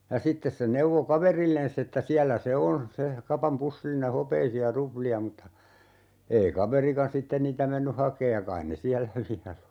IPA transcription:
jɑ sitːes se neuʋo kɑʋerilːensː etːæ siælːæ se on se kɑpɑm pusːilːine hopeisiɑ rupliɑ mutːɑ ei kɑʋerikɑn sitːen niːtæ menːy hɑkeːj jɑ kɑin ne siælːæ ʋiæl o

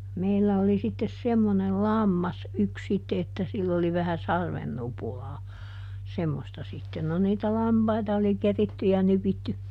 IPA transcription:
meilːæ oli sitːes semːonel lɑmːɑs yks sitːe etːæ silː oli ʋæhæ sɑrʋen nupulɑː semːostɑ sitːen no niːtæ lɑmpɑitɑ oli keritːy jɑ nypitːy

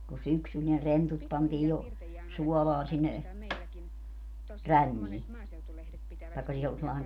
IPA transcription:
ko syksyl ne rentut pɑntiː jo suɔlɑːn sinːe rænːiː tɑĕkːɑ siː ol selːɑeŋ

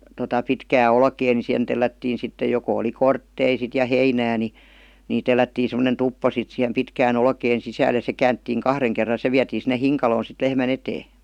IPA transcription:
totɑ pitkæː olkeː ni sihen telːætːiːn̞ sitːe joko oli kortːei sit jɑ heinæː ni niˑ telːætːiː semˑonen tupːo sit sihem pitkæːn olkeːn sisæːl jɑ se kæːntːiːŋ kɑhreŋ kerːɑ se ʋiætiː sinːe hiŋkɑloːn̞ sit lehmæn eteː

